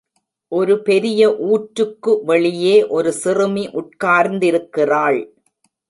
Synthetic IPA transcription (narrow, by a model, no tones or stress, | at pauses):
ʔɔɾɯpɛɾɪjɐʔuːʈɾɯkːɯʋɐɭɪjeːʔɔɾɯsɪrɯmiʔʊʈ̚kaːɾnd̪ɪɾɯkːɪraːɭ